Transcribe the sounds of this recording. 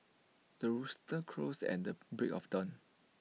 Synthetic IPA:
d̥əɹustə̃kʰɹosɛ̰̃ndəbɹɪkɔfdɔ̃n

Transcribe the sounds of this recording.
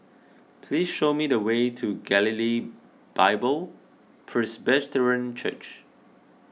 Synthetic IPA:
pʰlisʃomidəwetʰuɡɛlili | b̥aɪbəl | pʰɹɛsbɛstəɹə̃nt͡ʃʰə̰t͡ʃ

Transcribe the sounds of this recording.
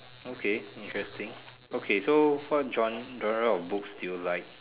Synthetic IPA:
okʰeĩntɹɛstĩŋ | okʰesowɔt̚d͡ʒɔ̃nd͡ʒɔ̃nəɹəɔfbukstillaɪk̚

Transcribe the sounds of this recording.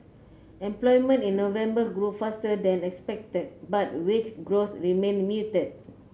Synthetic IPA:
ɛ̃mplɔjmə̃ntĩnːovɛ̃mbəɡɹufastədɛ̃nɛkspɛk̚tət̚bat̚wit͡ʃɡɹoθɹimẽnmjutəd̚

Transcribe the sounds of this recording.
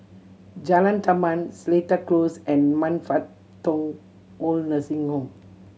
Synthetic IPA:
d͡ʒalãntamãnsletəklosɛ̃nmãnfat̪ː | ɔ̃ŋ | olnəsĩŋhɔ̃m

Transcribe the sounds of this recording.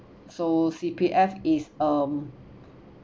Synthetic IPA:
sosipʰiʔɛfisəm

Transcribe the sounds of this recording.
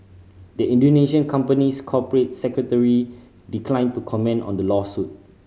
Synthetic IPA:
dəĩndoneʃə̃nkʰãmpəniskʰɔpəɹet̚sɛkɹətəɹi | diklãɪ̃ntukʰɔmɛ̃nɔ̰̃ndəlɔsut̚

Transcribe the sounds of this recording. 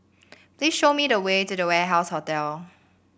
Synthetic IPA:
pʰliːz̥ʃoʊmiðəweɪtuðəwɛɦaʊshɔtɛl

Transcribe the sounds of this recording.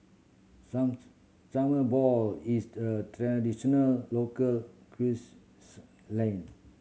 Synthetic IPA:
saməbɔlisdətɹadiʃɔnəlːokəlkʰɹis | lɛ̃n

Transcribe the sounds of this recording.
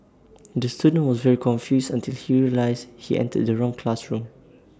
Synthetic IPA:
dəstudə̃nwɔsvɛɹikʰɔ̃nfjusãntʰilhiɹiəlaɪshiʔɛ̰̃ntʰə̰d̚dəɹɔ̃ŋkʰlasɹũm

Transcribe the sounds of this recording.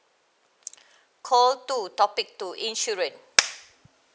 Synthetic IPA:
kʰɔltutɔpik̚tuʔĩnʃuɹə̃n

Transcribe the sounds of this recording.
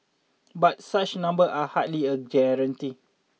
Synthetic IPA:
bat̚sat͡ʃnãmbəʔahat̚liəd͡ʒɛɾənti

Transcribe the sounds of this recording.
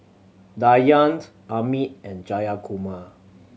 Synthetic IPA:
dajãnd | ʔamitɛ̃nd͡ʒajakʰuma

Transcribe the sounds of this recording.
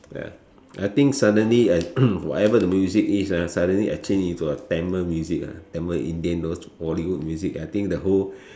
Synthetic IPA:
ja̰ | ʔa̰jt̪ĩŋksadə̃nliawwɔ̰tɛvədəmjuzikisasadə̃nliʔa̰jt͡ʃẽnĩntuətɛ̃məmjuzika̰tɛ̃məʔḭ̃ndiə̃ndos | hɔliwud̚mjuzikajt̪ĩŋk̚dəɦol

